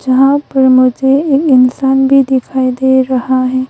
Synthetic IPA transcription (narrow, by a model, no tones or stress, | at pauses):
d͡ʒɐɦãpɐɾmʊd͡ʒʱeɪnsaːnbʱid̪ɪkʰaːid̪eɾɐhaɦɛ̃ː